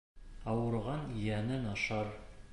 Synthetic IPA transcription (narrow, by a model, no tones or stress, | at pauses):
ɑwɤ̆ɾʁɑnjænɘnɑʃɑɾ